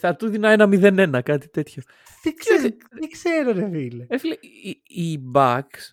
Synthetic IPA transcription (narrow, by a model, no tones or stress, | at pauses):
θɐt̪uðinɐenɐmiðe̞ne̞nɐkɐt̪i̥t̪e̞t̪ço̞ | t̪ikses | ikseɾoɾevileefilei | ibɐks